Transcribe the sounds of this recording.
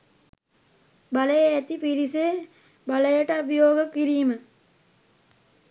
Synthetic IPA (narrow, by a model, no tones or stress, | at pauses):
bɐləjeːt̪ipiɾise | bɐləjəʈəɐbʱijoːɡəkːiɾijːmə